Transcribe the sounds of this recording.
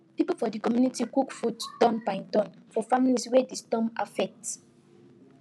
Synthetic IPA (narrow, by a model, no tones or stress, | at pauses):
pipufɔdikɔmjunitikukfuttɔ̃npãɪ̃ntɔ̃nfɔfamiliswedistɔ̃ma̰fɛk̚t